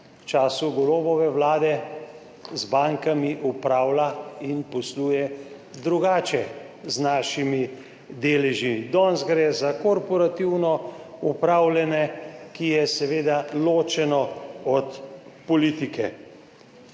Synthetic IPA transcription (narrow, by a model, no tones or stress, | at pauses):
wt͡ʃaːsuɡɔloːbɔʋɛwlaːd̪ɛ | zbaŋkamiʔupɾaːwlainpɔsluːjɛ | d̪ɾuɡaːt͡ʃɛ | znaːʃimi | d̪eːlɛʒid̪ɔːnzɡɾɛzakɔɾpɔɾat̪iwnɔ | upɾaːwlɛnɛkijɛsɛʋeːd̪aloːt͡ʃɛnɔɔt̪pɔliːt̪ikɛ